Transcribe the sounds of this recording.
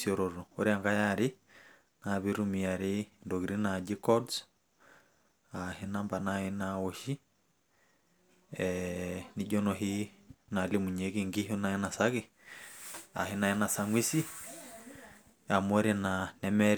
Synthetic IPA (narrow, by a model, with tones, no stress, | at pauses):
siɔ˨ɾɔɾɔ˨o˦ɾi˦a˨ŋɡa˦jaɾi˦ | naβiɾu˦mi˨a˨ɾe˦ndo˨ɣi˨ɾi˦nad͡ʒi˦kɔ˦ds | ahe˦namba˨nahe˦nao˨ʃi˦ | ɛni˦ɟɔ˦nɔ˨ɦi˦na˨li˦mu˨ɲe˨ɣiŋɡi˦ɦo˦na˨i˦na˨sa˦ɣe˨ | a̰˨hi˦na˨hɛ˦na˨saŋwi˦si˦ | a˨mɔ˦ɾe˦nanɛmɛɾ